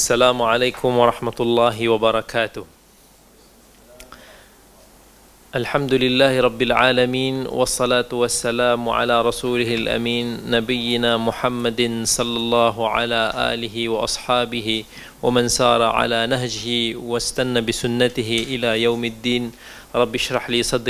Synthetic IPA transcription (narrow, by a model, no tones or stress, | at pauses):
ʔasːalaːmʊʕalaːkʊmwɑɾˤɑħmat̪ʊlˤːɑːɦɪwabɑɾˤɑkʰaːt̪ʊh | ʔalħamd̪ʊlɪlːaːhɪɾˤɑbːɪlʕa̰ːlamiːnwɑ̰sˤːɑlaːt̪ʊwasːalaːmʕa̰laːɾˤɑsuːlɪhɪlʔa̰miːnːabɪjːɪnaːmʊħamːad̪sˤɑlːɑlˤːɑːɦʕa̰laːʔa̰ːlɪɦɪwɑʔɑsˤħɑːbɪhɪ | wamansɑːɾˤɑʕa̰laːnahd͡ʒɪhɪwast̪anːabɪsʊnːat̪ɪhɪʔɪlaːjawmad̪ːiːn | ɾˤɑbːʃɾˤɑħliːsˤɑd̪